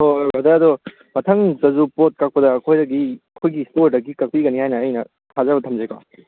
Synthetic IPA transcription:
hobɐd̪ɐɐd̪ɔ | mɐtʰɐŋzɐzupot̚kak̚pɐdɐːkʰojdɐɡiɐkʰojɡistoɾdɐɡikɐk̚piɡɐnihajnɐːjnɐ | tʰazɐbɐt̪ʰɐmzekɔ̰

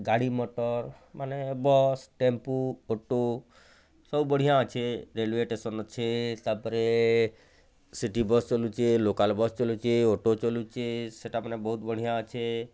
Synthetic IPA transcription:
ɡaɽimoʈəɾ | manebɔsʈempuoʈo | səwbəɽ̤ijãt͡ʃʰeɾelʋeʈesənt͡ʃʰet̪apəɾe | siʈibɔst͡ʃɔlut͡ʃʰelokalbɔst͡ʃɔlut͡ʃʰeoʈot͡ʃɔlut͡ʃʰeseʈamənebəɦut̪bəɽ̤ijãt͡ʃʰe

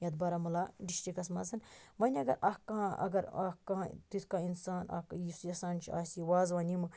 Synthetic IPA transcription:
jɐd̪bɐɾamɐlaːɖiʃʈɾikɐsmɐzɐnmɐnʲɐɡɐɾʔɐkːɐɦãʔɐ̰ɡɐɾɐkːɐɦãt̪it̪ʰkaːinsaːnɐ̰kjisjɐsaːnt͡ʃʰiaːsiʋaːzʋaːnimɨ

